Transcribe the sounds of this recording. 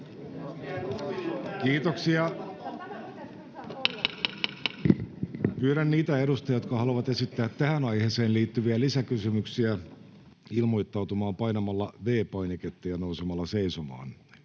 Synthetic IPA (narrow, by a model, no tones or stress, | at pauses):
kiːt̪oksiɑ | pyːɾænniːt̪æeɾust̪ɑjɑjot̪kɑhɑluʋɑt̪esit̪ːæːt̪tæhænɑiheːseːnliːt̪ːyʋiælisækysymyksiæ | ilmoit̪ːɑwt̪umɑːmpɑinɑmɑlːɑʋeːpɑineket̪ːiɑnousemɑlːɑseisomɑ̰ːn